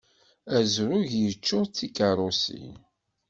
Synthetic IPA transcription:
æzɾʊʝjət͡ʃːʊt͡sːikaɾˤosḭ

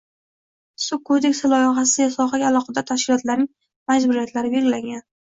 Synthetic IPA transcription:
sʊkʰːod̪e̞kʲsɪlɒjɪχasɪjasɒχaɡʲaːlˠɒqɑd̪at̪ʰaʃkʲɪlɒt̪laɾnɪŋ | mad͡ʒbʊɾijat̪ʰlaɾɪbe̞lɡʲɪlaŋʲɡʲan

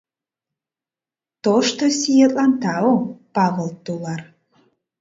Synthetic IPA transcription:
t̪oʃt̪osijet̪ʼlɑnt̪ɑopɑvəlt̪ulɑr

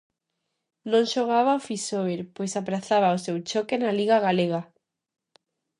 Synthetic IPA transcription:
nõŋʃoɣ̞aβaofisoβeɾpojsapɾaθaβaosewt͡ʃokenaliɣaɣaleɣa

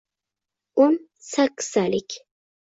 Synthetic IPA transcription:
ʊn | sakʲʰːɪ̥salɪkʲ

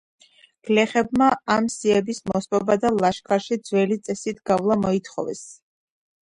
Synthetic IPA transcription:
ɡ̥lɛχɛb̚maamsiɛbismɔspʼɔbad̪alˠaʃkʰaɾʃid̪zwɛlit̪sʼɛsit̪ʰɡ̥avlˠamɔit̪ʰχɔ̰vɛ̰s

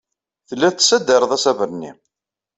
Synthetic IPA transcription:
θəlːæθt̪ːsːæd̪əɾˤəðˤæsævəɾnḭ

